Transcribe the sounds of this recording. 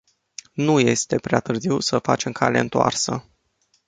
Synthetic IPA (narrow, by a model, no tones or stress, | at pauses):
nuje̞st̪e̞pɾeat̪ɨrziwsəfat͡ʃe̞mkʰale̞ɨnt̪oa̰rsə̰